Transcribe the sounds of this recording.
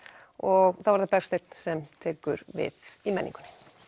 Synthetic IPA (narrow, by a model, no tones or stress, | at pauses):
ɔɣθawvaɾðapɛɾr̥st̪ejt̪n̥sɛmt̪ʰeːkʏɾvɪ̰θimɛnḭŋkʏnɪ̥